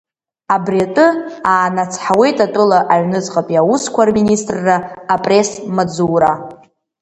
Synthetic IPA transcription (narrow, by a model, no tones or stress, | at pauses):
abriatʼɨaːnat͡sʰħawe̞jtʼatʼʊlaʔaɥnɨt͡sʼqʼapʼjawuskʷʰarministʼrːaːpʼre̞smad͡zuːɾa